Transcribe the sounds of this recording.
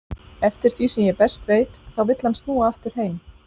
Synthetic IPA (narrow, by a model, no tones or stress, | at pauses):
ɛft̪ɪɾ̥θvisɛmjɛpɛst̪veːjt̪θawvɪt̪lanst̪nuːaaft̪ʏɾ̥ɦeːjm